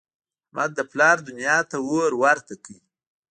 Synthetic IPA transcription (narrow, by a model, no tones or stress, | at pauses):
mʔa̰d̪əplɑɾd̪ʊnjɑt̪awoɾwaɾt̪akəi